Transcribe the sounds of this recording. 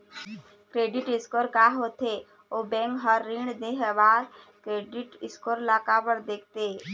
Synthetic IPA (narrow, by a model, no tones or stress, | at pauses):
kɾeːɖɪʈɪskoɾkaɦot̪ʰe | obɛ̃ŋkɦəɾːɪɳd̪eɦebaːɾ | kɾeːɖɪʈɪskoːɾlaːkapəɽd̪eːk̚ʰt̪e